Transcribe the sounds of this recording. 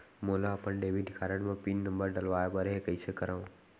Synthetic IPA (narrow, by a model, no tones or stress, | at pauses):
moːlaːpənɖeːʋinɪkʰaːɾəɽ̃mãpiːnnə̃mbəɾɖɐlʋaːebəɾɦekəiːsekəɾã